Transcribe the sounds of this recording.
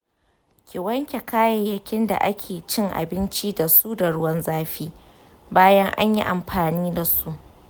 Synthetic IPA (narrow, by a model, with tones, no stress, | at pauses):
kʲɪ˨wɐ˦ŋkʲe˨kaː˦jɐ˦˨jɐ˦kʲɪ˦nda̰˨ʔa˦kʲʰeː˨t͡ʃɪ˦ŋʔa̰˨bɪ˦nt͡ʃi˦da˨su˦da˨ɽʊ˦wɐ˦nzaː˦ɸiː˦ | baː˦jɐ˦ŋʔa̰˦ɲji˦ʔa˨mɸaː˨niː˦da˨su˦ʔ